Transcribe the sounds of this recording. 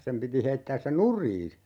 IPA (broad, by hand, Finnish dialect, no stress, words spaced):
sem piti heitːæːs se nurˑiː